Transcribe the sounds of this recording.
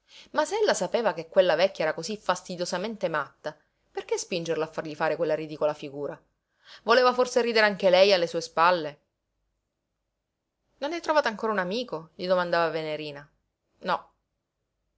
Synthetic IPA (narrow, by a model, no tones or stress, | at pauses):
masɛlːasapeːvakekːwelːavɛkːaɛːɾakozifast̪id̪josament̪emat̪ːa | perkespind͡ʒerloafːarʎifaːɾekwelːaɾid̪iːkolafiɡuːɾa | voleːvaforseriːd̪eɾeaŋk̟elɛjalːesuːespalːe | nonɛt̪ːɾovaːt̪aŋkoːɾaunamiːkoʎid̪omand̪aːvaveneɾiːna | nɔ